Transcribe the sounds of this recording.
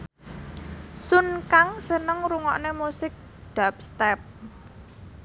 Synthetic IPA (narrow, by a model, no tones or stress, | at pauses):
sunkaŋsənəŋɾuŋɔʔnemusɪk̚ | ɖ̥ap̚st̪ɛp̚